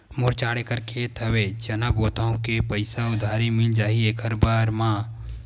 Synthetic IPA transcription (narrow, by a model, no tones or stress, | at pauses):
mʊɾt͡ʃaːɽekəɾkʰet̪ʰɐwet͡ʃɐnaboːt̪aõkepəɪsaʊd̪ʱaːɾimɪld͡ʒaːɦieːkəɾbaːɾmãː